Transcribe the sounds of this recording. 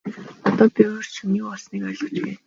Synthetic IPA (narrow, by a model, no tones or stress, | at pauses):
ɔt̪ɔːpewr̥t͡ɕʰuniːkɔɮsniːkœːɮɞ̆t͡ɕpæːn